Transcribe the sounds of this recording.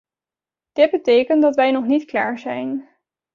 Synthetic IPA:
d̥ɪd̚bətejkəntdɑtʋɛjnɔχnitkla̰ːɹzɛjn

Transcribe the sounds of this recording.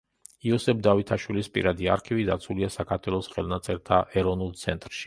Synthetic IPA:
iɔsɛp̚d̪avit̪ʰaʃwilispʼḭɾad̪ia̰ɾkʰivid̪at̪sʰuliasakʰaɾt̪ʰwɛlˠɔsχɛlˠnat̪sʼɛɾt̪ʰaʔɛɾɔvnulˠt̪sʰɛnt̪ʼɾʃi̥

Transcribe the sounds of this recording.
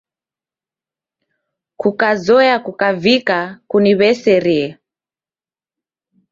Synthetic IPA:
kukazɔjakukavikakuniβɛsɛɾiɛ

